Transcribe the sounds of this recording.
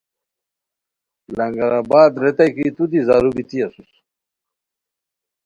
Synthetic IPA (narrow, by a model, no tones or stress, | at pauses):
lɐŋɡaɾaːbaːd̪ɾet̪ajkit̪ud̪izaːɾubit̪iasus